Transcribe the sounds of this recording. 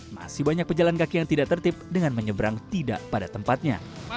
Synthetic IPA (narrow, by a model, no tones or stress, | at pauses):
ma̰sɪhbaɲak̚pəd͡ʒalankakijaŋt̪idaʔt̪ərt̪ɪp̚dəŋanməɲəbəɾaŋt̪ida̰ʔpadat̪əmpat̪̚ɲa̰